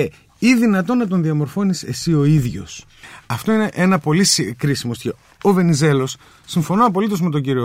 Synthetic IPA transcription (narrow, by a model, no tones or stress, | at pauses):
e | iðinɐt̪o̞nɐt̪o̞nðiɐmo̞ɾfo̞nise̞sio̞iðʝo̞̰s | ɐft̪o̞ineʔenɐpo̞liskɾisimosce | ove̞nize̞lo̞sː | iɱfo̞noɐpo̞lit̪o̞zme̞t̪o̞ɲɟiɾio